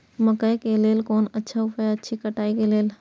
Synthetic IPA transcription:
məkəekeleːlkoːnɐtːʃʰaʊpeɐtːʃʰikəʈaːikeleːl

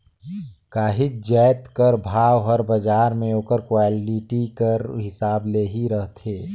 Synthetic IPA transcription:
kaːɦɪk̚d͡ʒɛːt̪kəɾbʱaːʋɦəɾbɐd͡ʒaːɾmẽoːkəɾkwaːlɪʈikəɾɦɪsaːbleːɦiɾəɦt̪ʰeː

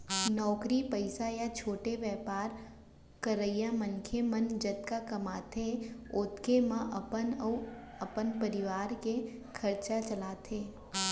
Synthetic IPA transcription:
nɔːkɾipəɪsajat͡ʃʰoːʈeʋjɛːpaːɾ | kəɾəɪjamənkʰemɐnd͡ʒɐt̪kakɐmaːt̪ʰeʊt̪kemãʔnɐpənpəɾɪʋaːɾkekʰɐɾt͡ʃat͡ʃɐlaːt̪ʰeː

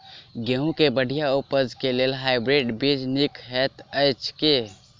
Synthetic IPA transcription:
ɡeũkebəɽ̤ʱijaopəd͡ʒkeleːlɦaːɪbɾeɖbid͡ʒnikɦɛt̪əɪt͡ʃʰke

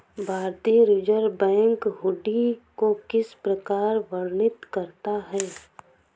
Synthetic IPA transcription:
bʱaːɾt̪iɾɪd͡ʒəɾbɛ̃ːŋkɦʊɖikokɪspɾəkaːɾʋəɾnɪt̪kɐɾt̪aɦɛː

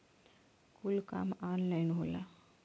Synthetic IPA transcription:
kulka̰maːnlajnɦula

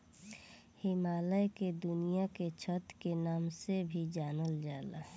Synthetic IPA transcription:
hɪmaːləjked̪ʊnijaket͡ʃʰət̪kenaːmsebʱid͡ʒaːnəld͡ʒaːla̰

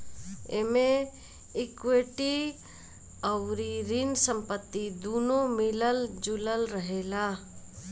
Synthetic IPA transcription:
emẽ | ɪkweʈi | əʊɾiɾinsəmpət̪ːid̪uːnomɪləld͡ʒʊləlɾəɦeːlaː

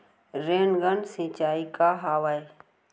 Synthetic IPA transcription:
ɾeːnɡənsĩːt͡ʃaːikaɦaːʋae

